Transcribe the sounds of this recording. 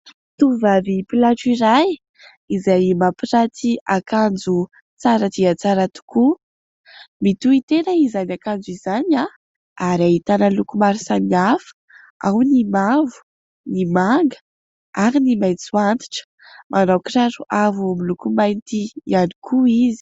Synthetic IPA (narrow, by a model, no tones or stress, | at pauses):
t̪uvavipilaʈ͡ʂiɾaj | izajmapirat̪iakand͡zu | t͡saɾat̪iat͡saɾat̪u̥ku | mit̪uit̪enəizanakand͡zuizana | aɾaɦit̪anəlukumaɾisamiafə̥ | awnimavu̥ | nimaŋɡə̥ | aɾinimajnt͡suant̪i̥ʈ͡ʂə̥ | mʔanawkiraɾuʔavuamilukumajnt̪iiani̥kʰuizi̥